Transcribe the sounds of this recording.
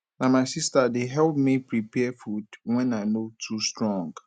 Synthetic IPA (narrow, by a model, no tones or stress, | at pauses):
namaɪsistadeɦɛlpmipɹipɛfudwɛ̃naɪnotʰustɹɔ̃ŋɡ